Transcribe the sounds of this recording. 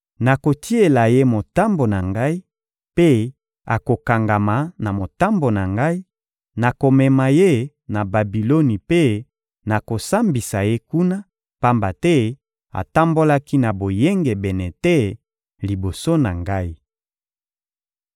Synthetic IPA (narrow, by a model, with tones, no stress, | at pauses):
na˨ko˨ti˦e˨la˨je˦mo˨ta˦mbo˨na˨ŋɡa˦i˦ | pe˦ | a̰˨ko˨ka˨ŋɡa˨ma˨na˨mo˨ta˦mbo˨na˨ŋɡa˦i˦ | na˨ko˨mɛ˨ma˨je˦ | na˨ba˨bi˨lo˦ni˨pe˦ | na˨ko˨sa˦mbi˨sa˨je˦ku˦na˦ | pa˦mba˨tɛ˦ | a̰˨ta˦mbo˦la˦ki˦na˨bo˨je˦ŋɡe˨bɛ˨nɛ˨tɛ˦ | li˨bo˨so˦na˨ŋɡa˦i˦